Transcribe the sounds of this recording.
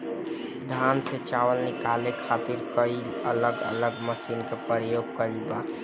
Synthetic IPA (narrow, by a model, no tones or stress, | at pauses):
d̪ʱanset͡ʃaʋəlnɪkalekʰat̪iɾkəɪ | ələɡə̰ləɡməsinkepəɾjoɡ̚kəɾiba